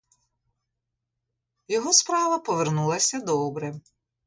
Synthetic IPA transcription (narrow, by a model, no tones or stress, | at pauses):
jɔɦɔspɾɑʋɐpɔʋernulˠɐsʲɐd̪ɔɔbɾɛ